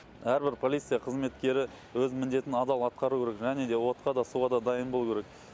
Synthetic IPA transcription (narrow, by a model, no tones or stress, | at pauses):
æɾbɪɾpʰo̞lʲijt̪sɨjɑqʰəzme̞t̪kʲe̞ɾɪ | wɵzmɪnd̪e̞t̪ɪnɑd̪ɑlˠɑt̪̚qɑɾukʲʰeɾekʒæne̞d̪e̞wo̞t̪qɑd̪ɑsuʁɑd̪ɑd̪ɑjənbo̞lˠukʰʲeɾek